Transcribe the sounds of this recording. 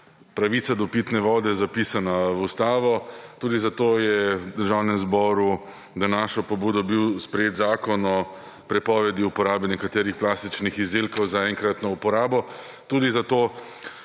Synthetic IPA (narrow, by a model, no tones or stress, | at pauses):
pɾaʋit̪sad̪ɔpit̪nɛʋɔːd̪ɛzapiːsanawust̪aːʋɔt̪uːd̪izat̪oːjɛd̪əɾʒawnɛmzbɔːɾu | d̪anaːʃɔpɔbuːd̪ɔbiwspɾɛjeːt̪zaːkɔnɔ | pɾɛpɔːʋɛd̪iupɔɾaːbɛnɛkat̪eːɾixplaːst̪it͡ʃnixizd̪elkɔwzaɛŋkɾat̪nɔupɔɾaːbɔ | t̪uːd̪izat̪oː